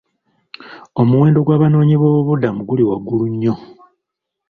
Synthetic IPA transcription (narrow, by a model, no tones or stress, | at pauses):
omuwe̞ːndo̞ɡwaːβano̞ːɲiβoːβuβudamuɡuliwaɡːuluɲːo̞